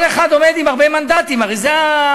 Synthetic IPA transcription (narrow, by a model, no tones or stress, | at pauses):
leχad̪o̞me̞d̪imaʁbemand̪at̪imaʁejzea